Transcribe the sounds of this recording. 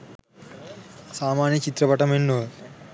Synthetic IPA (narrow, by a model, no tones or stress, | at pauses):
saːmaːnjɐt͡ʃit̪ɾɐpɐʈɐmenːo